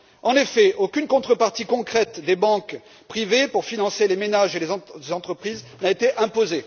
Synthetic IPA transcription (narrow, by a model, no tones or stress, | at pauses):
ɑ̃nefɛʔokʲynkɔ̃t̪χəpaʁt̪ikɔ̃kχɛt̪d̪ebɑ̃k | pχivepuʁfinɑ̃selemenaʒelezzɑ̃t̪χəpχiznaet̪eʔɛ̃poze